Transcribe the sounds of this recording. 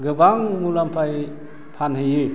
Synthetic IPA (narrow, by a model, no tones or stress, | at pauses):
ɡɯbaŋmulampʰaj | pʰanɦɯjɯ